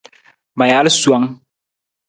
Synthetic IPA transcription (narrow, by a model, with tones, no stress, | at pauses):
mã˨ja˨˦lsu˨a˨˦ŋ